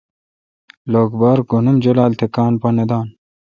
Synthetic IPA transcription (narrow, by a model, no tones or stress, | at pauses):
loːɡbaːɾɡonumd͡ʑolaːlt̪ʰekaːnpɐnɐd̪aːn